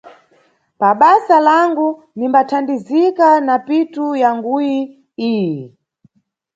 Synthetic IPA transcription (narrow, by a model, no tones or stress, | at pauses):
paɓasalaŋɡu | nimbatʰandizikanapitujaŋɡuji | iːji